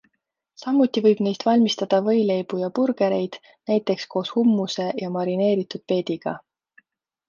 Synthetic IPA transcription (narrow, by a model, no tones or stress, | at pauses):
sɑmːut̪ːˑivɤjb̥ne̞jst̪vɑlʲmist̪ɑd̪̥ɑvɤ̞jle̞jb̥ujɑpurɡ̥e̞ɾe̞jd̪̥ | næjt̪ːˑe̞ksko̞ːshumːuse̞jɑmɑɾine̞ːɾit̪ud̪̥̚pe̞ːd̪̥iɡ̥ɑ̰